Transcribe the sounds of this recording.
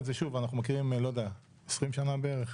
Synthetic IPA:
tzeʃuvanaχnumekiʁimlo̞d̪ea | esʁimʃanabeeʁeχ

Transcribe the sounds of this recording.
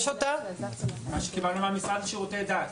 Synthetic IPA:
ʃot̪a | maʃe̥kibalnumamisʁad̪ʃeʁot̪ɛd̪at̪

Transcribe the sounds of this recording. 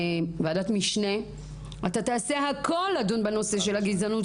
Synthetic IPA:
vaːdat̪miʃne | at̪at̪aːseɦakolːadunbeno̞seʃelaɡizanu

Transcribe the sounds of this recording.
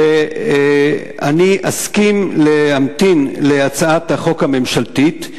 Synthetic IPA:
e | a̰niʔaskimleamt̪inleat͡saat̪haχo̞khame̞mʃalt̪it̪

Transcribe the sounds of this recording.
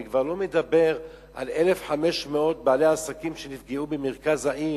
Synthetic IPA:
kvaʁlo̞med̪abe̞ʁ | ʔa̰le̞le̞fħame̞ʃmeo̞t̪̚baːleaːsakimʃenifɡeubemeʁkazaʔi

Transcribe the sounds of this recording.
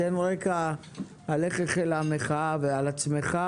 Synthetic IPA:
enʁekaː | leχeχelameχavealat͡smeχa

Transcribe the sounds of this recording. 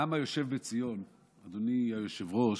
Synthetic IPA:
amajo̞ʃe̞vbet͡sijo̞n | ad̪oniajoʃevʁo̞ʃ

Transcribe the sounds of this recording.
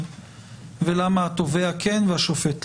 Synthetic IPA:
velamaat̪oveakenveaʃofet̪

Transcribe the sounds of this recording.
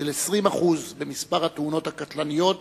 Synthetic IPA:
elesʁimaχuzbe̞mispaʁhat̪uno̞t̪hakat̪lanijo̞t

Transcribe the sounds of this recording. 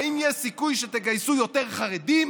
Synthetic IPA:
injɛsikujʃet̪eɡajsujot̪eʁχaʁed̪im

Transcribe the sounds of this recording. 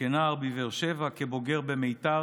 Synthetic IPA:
enaːʁbiveʁʃevakebo̞ɡe̞ʁbemejt̪a

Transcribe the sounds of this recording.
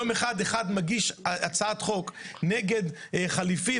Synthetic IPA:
omeχad̪eχad̪maɡiʃaat͡saat̪χokneɡed̪χalifi

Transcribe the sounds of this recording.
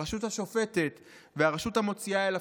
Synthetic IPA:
eʃuthaʃo̞fe̞t̪et̪ | veaʁeʃutamo̞t͡siaela

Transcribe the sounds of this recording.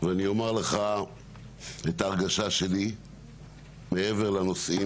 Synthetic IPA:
veanio̞maʁleχa | et̪aːʁɡaʃaʃeli | meeve̞ʁlano̞si

